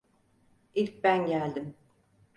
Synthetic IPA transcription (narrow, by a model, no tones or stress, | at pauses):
ilʲc̚bænɟælʲd̪im